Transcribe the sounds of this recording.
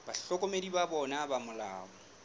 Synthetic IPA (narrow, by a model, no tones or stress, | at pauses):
b̥aɬɔkʼomedibabɔnabamʊla̰ːmɔ